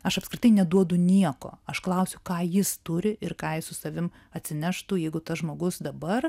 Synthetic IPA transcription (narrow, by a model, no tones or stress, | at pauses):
ɐʃɐpskɾʲɪt̪ɐɪnʲɛd̪uɔd̪ʊnʲiɛko̰ːɐʃklˠɐʊsʲʊkɑːjɪst̪ʊɾʲɪʔɪrkɑːjɪssʊsɐʋʲɪm | ɐt̪ʲsʲɪnʲæʃt̪uːjɛɪɡʊt̪ɐsʒmoːɡʊsd̪ɐbɐr